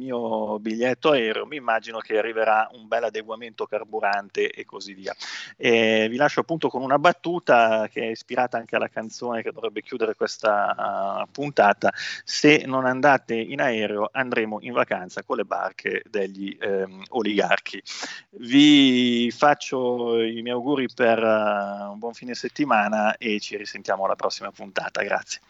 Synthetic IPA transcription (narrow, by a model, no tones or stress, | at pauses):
miːobiʎːɛt̪ːoaɛːɾḛomiːmːad͡ʒinok̟earːiveɾaumbɛlːad̪eɡwament̪okarbuɾant̪eʔekːozivːiːa̰ɛvilaʃːoapːunt̪okonunabat̪ːuːt̪akeɛispiɾaːt̪aaŋkealːakant̪soːnek̟ed̪ovɾɛbːekjuːd̪eɾekwest̪a | punt̪aːt̪asenːonand̪aːt̪einaɛːɾeoʔand̪ɾeːmoʔiɱvakant̪sakonlːeba̰rkʰed̪eʎːioliɡa̰rkʰivi | fat͡ʃːoimjɛjawɡuːɾiperumbwɔɱfiːned̪iset̪ːimaːnaet͡ʃiɾisent̪jaːmoalapɾɔsːimapunt̪a̰ːt̪a̰ɡɾa̰t̪sːje